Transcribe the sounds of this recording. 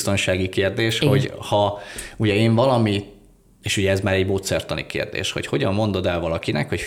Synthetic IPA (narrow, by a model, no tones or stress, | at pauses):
st̪o̞nʃaːɡikeːrd̪eːʃho̞ɟhɒuɟɛeːɱvɒlɒmi | eːʃuɟɛɛzmaːɾɛɟmoːt̪sɛrt̪ɒnḭkḛːrd̪ḛːʃho̞̰cho̞ɟɒmːo̞nd̪o̞d̪ɛlvɒlɒkinɛ̰kho̞c